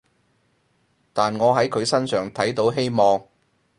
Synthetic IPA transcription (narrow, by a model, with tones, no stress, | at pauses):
t̪aː˨nŋɔː˨˧ɦɐ˨˥jkʰɵ˨˧ɥsɐ˥nsœː˨˩ŋt̪ʰɐ˨˥jt̪o˨˥wɦe˥jmɔː˨ŋ